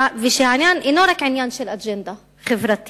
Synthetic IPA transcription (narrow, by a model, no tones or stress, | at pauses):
viʃiʕanjaːnʔɪnoːɾakʕɪnjaːnʃilʔad͡ʒɛnd̪a | xɪvɾat̪